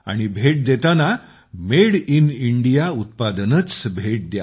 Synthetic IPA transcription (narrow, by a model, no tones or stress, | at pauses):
a̰ɽ̃ibʱeʈ̚d̪et̪ana | meɽiniɳɖijaut̪̚pad̪ənət͡sbʱeʈ̚d̪ja̰